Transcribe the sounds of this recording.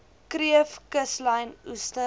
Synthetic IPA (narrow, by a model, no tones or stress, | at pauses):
kɾiəfkəslɐjnustə